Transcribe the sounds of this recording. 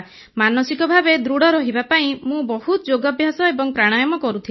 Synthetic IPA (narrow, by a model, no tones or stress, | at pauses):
manɔsikɔbʱabed̪ɾuɽɔɾɔɦibapaĩmũbɔhut̪ɔd͡ʒoɡɔbʱjasɔebɔŋpɾaɽ̃ajɔmɔkɔɾut̪ʰi